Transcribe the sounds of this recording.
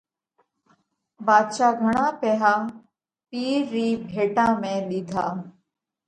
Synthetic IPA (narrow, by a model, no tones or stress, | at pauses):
baːd̪ʃaːɡʱəɽ̃ãːpeːɦaː | piːɾːiːbʱeːʈãːmẽːɗiːd̪ʱaː